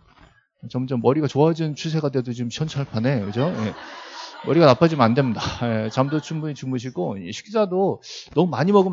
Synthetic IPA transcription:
t͡ɕʌmd͡ʑʌmːʌɾiɡat͡ɕoad͡ʑint͡ɕʰus̬ʰe̞ɡadwedot͡ɕomɕʰjʌnt͡ɕʰaɭpʰane̞kɯd͡ʑoje | mʌɾiɡanapʰad͡ʑimɯandwe̞mɲidajet͡ɕamdot͡ɕʰubuit͡ɕʰuŋmuɕʰiɡoeɕʰi̥ɡid͡ʑadonʌmumaɲimʌɡɯm

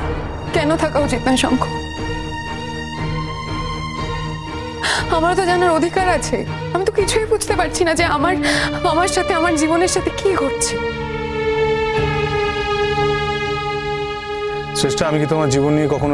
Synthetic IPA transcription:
kɛnot̪ʰakaut͡ɕit̪̚naeʃɔ̰ŋkʰo | amaɾt̪od͡ʑanaɾod̪ʱikaɾat͡ɕʰḛ | amit̪okit͡ɕʰuepud͡ʑʱt̪epaɾt͡ɕʰinad͡ʑeamaɾamaɾʃat̪ʰeamaɾd͡ʑiboneɾʃat̪ʰekiɦotːɕʰe | ʃeʃʈaamikit̪omaɾd͡ʑibonːiekɔkʰono

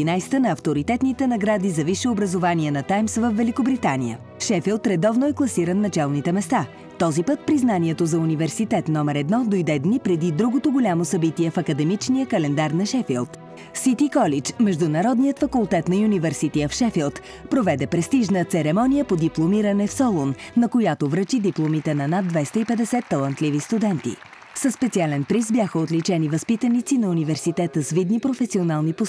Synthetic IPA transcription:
inajst̪ənɐːft̪oɾit̪ɛt̪nit̪ɛnɐɡɾad̪izɐviʃɛobɾɐzovaniɛnɐt̪ajmsvəfvɛlikobɾit̪anḭjə̰ | ʃɛfilˠt̪ɾɛd̪ɔvnoɛklˠɐsiɾənːɐt͡ʃɛlˠnit̪ɛmɛst̪a | t̪ɔzipɤt̪̚pɾiznaniɛt̪ozɐunivɛɾsit̪ɛt̪nɔmɛɾɛd̪nɔd̪ojd̪ɛd̪nipɾɛd̪id̪ɾuɡot̪oɡolʲamosɐbit̪iɛfɐkəd̪ɛmit͡ʃnijəkɐlɛnd̪aɾnɐʃɛfilˠt̪ | sit̪ikɔlit͡ʃmɛʒd̪ʊnɐɾɔd̪nijət̪fɐkʊlˠt̪ɛt̪nɐunivɛɾsit̪iəfʃɛfilˠt̪ | pɾovɛd̪ɛpɾɛst̪iʒnət̪sɛɾɛmɔnijəpod̪iplˠomiɾənɛfsɔlˠonːɐkojat̪ovɾət͡ʃid̪iplˠomit̪ɛnɐnad̪vɛjst̪əipɛd̪ɛsɛt̪ːɐlˠɐnt̪livist̪ud̪ɛnt̪ḭ | səspɛt̪sialɛnpɾisbjaxəot̪lit͡ʃɛnivɐspit̪ənit̪sinɐunivɛɾsit̪ɛt̪əsvid̪nipɾofɛsionalˠnipos

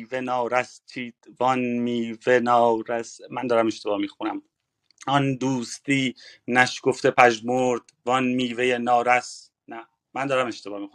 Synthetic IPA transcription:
venɒːɾæst̪ʰiːd̪̥vɒnmiːvenɒːɾæsmænd̪ɒːɾæmeʃt̪e̞bɒːhmiːxunæm | ɒnd̪uːst̪iːnæʃkoft̪epʰæʒmoɾd̪̥vɒnmiːvejenɒːɾæs | næ | mænd̪ɒːɾæme̞ʃt̪ebɒːmiːxu

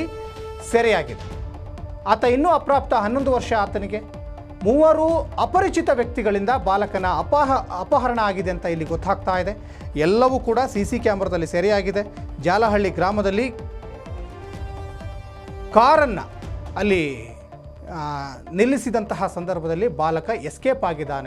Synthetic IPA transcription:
i | seːɾɛjaːɡid̪e | aːt̪ɐinːuːɐpɾaːp̚t̪ɐɦɐnːo̞nd̪uʋɐɾʂɐaːt̪ɐniɡe̞ | muːʋɐːɾuɐpɐɾit͡ʃit̪ɐʋjɐk̚t̪iɡɐɭind̪ɐbaːlɐkɐnɐɐpɐɦɐpɐɦɐɾɐɳɐaːɡid̪eɐnt̪ɐilːiɡɔt̪ːaːɡ̚t̪aːjid̪e̞ | ɛlːɐʋuːkuːɽɐsiːsikjaːmbɐɾɐd̪ɐlːiseːɾijaːɡid̪e̞ | d͡ʒaːlɐɦɐɭːiɡɾaːmɐd̪ɐlːi | kaːɾɐnːɐ̰ɐlːi | nilːisid̪ɐnt̪ɐɦɐsɐnd̪ɐɾbʱɐd̪ɐlːibaːlɐkɐeskeːpaːɡid̪ːaːne

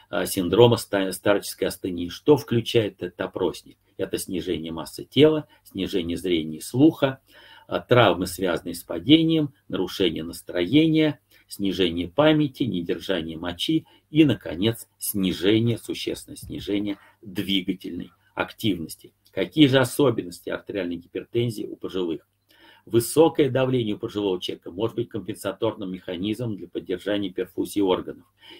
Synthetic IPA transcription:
sʲɪnd̪ɾo̞məsst̪art͡ɕɪ̥skəjɐst̪ɨnʲiːʂt̪o̞fklʲʉt͡ɕæjɪt̪ɛt̪t̪ɐpɾo̞sʲnʲɪk | ɛt̪əsʲnʲɪʐɛnʲɪjəmasːɨtʲe̞lˠə | sʲnʲɪʐɛnʲɪjəzɾʲenʲɪjslˠuxə | t̪ɾavmɨsvʲazənəjəspɐdʲenʲɪjəmnəɾʊʂɛnʲɪjənəst̪ɾɐjenʲɪjə | sʲnʲɪʐɛnʲɪjəpamʲɪtʲɪnʲɪdʲɪrʐanʲɪjəmɐt͡ɕi | inəkɐ̰nʲe̞t̪ssʲnʲɪʐɛnʲɪjəsʊɕːḛst̪vʲɪnəjsʲnʲɪ̰ʐɛnʲɪjə | d̪vʲiɡətʲɪlʲnə̰j | ɐ̰ktʲivnəsʲtʲɪ̥ | kɐkʲijəʐɨɐsobʲɪnːəsʲtʲɪɐ̰rt̪ɾʲɪalʲnəjɡʲɪpʲɪrt̪ɛnzʲɪɪʊ̰pəʐɨlˠɨx | vɨso̞kəjəd̪ɐvlʲenʲɪjəʊpəʐɨlˠo̞vət͡ɕɛkəmo̞ʐɨd̪bɨtʲkəmʲpʲɪnsɐt̪o̞rnɨmːʲɪxɐnʲizməmd̪lʲɐpədʲːɪrʐanʲɪjəpʲɪrfusʲɪːo̞rɡənəf

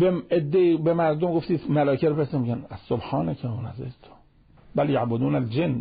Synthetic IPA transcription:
beed̪ːeibemæɾd̪omɡoft̪iːsmælɒːkʰeɾopʰesnemiɟænæsːobħɑːnækʰæonæzḛd͡ʒt̪ʰo̥ | bæljaʕbod̪uːnæld͡ʒenː

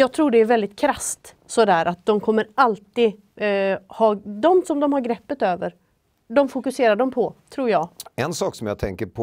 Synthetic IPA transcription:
jɑːɡ̚t̪ʰɾuːɖɛːɾvɛld̪ɪt̪kʰɾast̪ | sɔd̪æːɾʔat̪̚d̪ɔmkʰɔmːəɾalt̪i | hɑːd̪ɔmsɔmd̪ɔmhaɾɡɾɛpːət̪øːvəɾ | d̪ɔmfʊkɵseːɾaɖɔmpʰɔt̪ʰɾuːɾjɑːɡɛnsɑːksɔmjat̪ʰɛŋkəɾpʰ

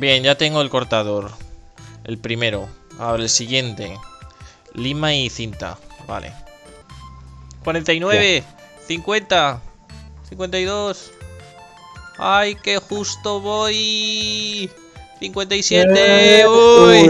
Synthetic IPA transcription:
bje̞nʝat̪e̞ŋɡoe̞lko̞ɾt̪aðo̞ɾ | e̞̰lpɾime̞ɾoa̰oɾaelsiɣje̞nt̪e̞ | limaiθint̪a̰βa̰le̞̰ | kwaɾe̞nt̪ajnwe̞β̞e̞ | θiŋkwe̞nt̪a | θiŋkwe̞nt̪ajðo̞s | ajke̞xust̪oβo̞j | θiŋkwe̞nt̪aisje̞t̪eoj

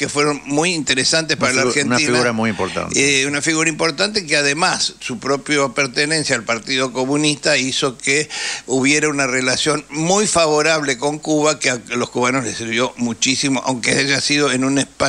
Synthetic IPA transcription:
kefwe̞ɾo̞nmujint̪eɾesant̪espaɾalaɾxennainɣnauɾamujimpoɾt̪a̰nunafiɣuɾaimpo̞ɾt̪ant̪ekeaðe̞masːupɾo̞pjopeɾt̪enẽ̞nsjaːlpaɾt̪iðo̞ko̞mũnist̪aiso̞keuβje̞ɾaunarelasjo̞nmujfaβo̞ɾaβleko̞ŋkuβakealo̞skuβanozlesiɾβjo̞mut͡ʃisimoʔa̰wŋkeaʒasiðo̞enũnespa

